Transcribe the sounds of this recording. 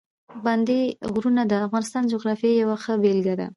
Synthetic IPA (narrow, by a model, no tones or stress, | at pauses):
band̪eɣɾunad̪əafɣɑnɪst̪ɑnd͡ʒʊɣɾɑfjejawaxəbelɡad̪a̰